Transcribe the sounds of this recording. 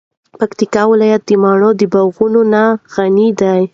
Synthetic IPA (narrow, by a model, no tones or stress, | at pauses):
pakt̪ikɑwɪlɑjat̪̚d̪əmɑɳod̪əbawɣunonaɣanid̪aj